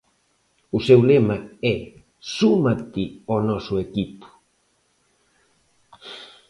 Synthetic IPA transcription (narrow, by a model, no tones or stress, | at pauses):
usewlemae | sumat̪ionosuekipu̥